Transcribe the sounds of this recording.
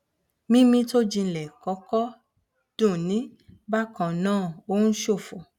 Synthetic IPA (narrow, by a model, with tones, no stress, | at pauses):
mĩ˦mĩ˧to˦d͡ʒĩ˧lɛ˨kɔ˨˦kɔ˦ | d̥ũ˦˨nĩ˨˦ba˦kã˨nãː˦˨o˨˦n̩˦ʃo˦˨fo˨